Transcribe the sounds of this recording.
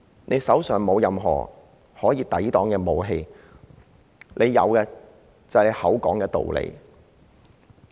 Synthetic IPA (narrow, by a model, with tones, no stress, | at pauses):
nʔe˨˧jsɐ˨˥wsœː˨ŋmo˨˧wjɐ˨mɦɔ̰ː˨˩ | hɔː˨˥jiː˧t̪ɐ˨˥jt̪ɔː˨˥ŋkɛː˧mo˨wɦe˧j | nʔe˨˧jːɐ̰˨˧wkɛ˧ | t͡sɐ˨ne˨˧jhɐ˨˥wkɔː˨˥ŋkɛː˧t̪o̰˨wlḛ˨˧j